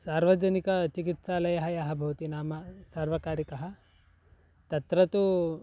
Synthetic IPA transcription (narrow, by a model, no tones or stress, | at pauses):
saːɾʋɐd͡ʒɐnikɐt͡ʃikit̪saːlɐjɐɦɐjɐɦɐ̆bʱɐːt̪inaːmɐsaːɾʋɐkaːɾikɐɦɐ̆ | t̪ɐt̪ɾɐt̪u